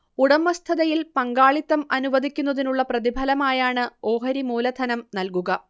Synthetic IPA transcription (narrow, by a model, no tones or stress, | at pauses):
uɽɐmːɐst̪ʰɐðɐjilpɐŋɡaːɭit̪ːɐmɐnuʋɐd̪ʱikʲːunːɐðinuɭːɐprɐðibʱɐlɐmaːjaːɳɨo̞ːɦɐɾimuːlɐd̪ʱɐnɐmnɐlkuɣɐ